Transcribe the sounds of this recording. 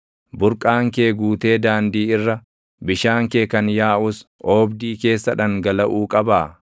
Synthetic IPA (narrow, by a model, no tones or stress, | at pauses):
bʊɾkʼaːŋkeːɡuːt̪e̞ːd̪aːnd̪iːɪrːɐ | bɪʃaːŋkeːkɐnjaːʔʊsoːbd̪iːke̞ːsːɐᶑɐŋɡɐlɐʔuːkʼɐbaː